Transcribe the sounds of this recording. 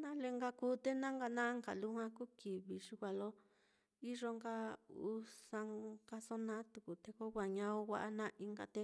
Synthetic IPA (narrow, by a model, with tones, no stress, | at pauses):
nã˦le˧ŋɡa˧ku˦t̪e˦nã˦ŋɡa˧nã˦ŋɡa̰˨lu˦hã˧ku˦ki˨βi˨ʂu˧kʷa˧lo˦ | i˦ʐo˧ŋɡa˦u˧˦sa˧ŋka˧so˦nã˦t̪u˨ku˨t̪e˧ko˦wʷa˨ɲã˧o˦wʷa̰˧ʔa˦nã˦ʔi˧ŋɡa̰˧t̪e˧